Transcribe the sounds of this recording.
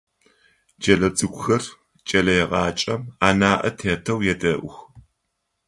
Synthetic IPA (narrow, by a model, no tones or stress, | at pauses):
d͡ʒɐɮɐd͡zɨɡʷʊxɐr | t͡ʃʼɐlɐjɛʁɑːt͡ʃʼɐmaːnaːʔɐtʰeːtʰɐwjɛdɐʔʷʊx